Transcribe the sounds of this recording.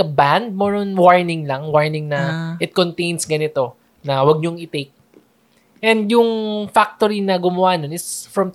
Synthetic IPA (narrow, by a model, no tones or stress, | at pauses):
ɐband̪̚mɛːɾonwaɹnɪŋlɐŋwaɹnɪŋnɐʔɪt̪̚kont̪ejnsɡɐnɪt̪o̞ | nɐwɐɡ̚ɲoŋɪt̪ek̚ | ʔɛnd̪jʊŋfak̚t̪oɾinɐɡʊmɐwanonɪsfɹɐm